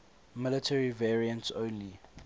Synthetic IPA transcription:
mɪlətʰɛɹivɛɹiə̃ntsõːnli

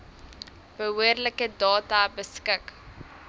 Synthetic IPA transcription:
b̥əɦuərləkədɑːtɐbəskək

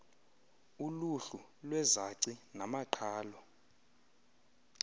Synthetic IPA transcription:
uluɬulwɛzaǀinamaǃʰaːlɔ

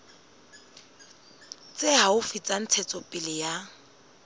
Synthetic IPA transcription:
t͡sʼeɦaʊfit͡sʼan̩t͡sʰɛt͡sʼɔpʼɪlɪja

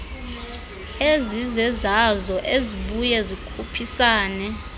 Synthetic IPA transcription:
ezizɛzazɔʔeziɓujɛzikʰupʰisaːnɛ

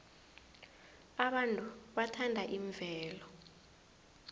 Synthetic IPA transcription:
aɓantʼuɓatʰandʱaʔiɱvʱɛːlɔ

